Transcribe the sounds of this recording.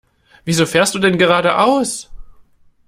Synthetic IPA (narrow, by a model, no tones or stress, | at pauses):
v̥iːzoːfeːɐst̚d̥uːdɛnɡəʁ̞aːɾəʔaʊs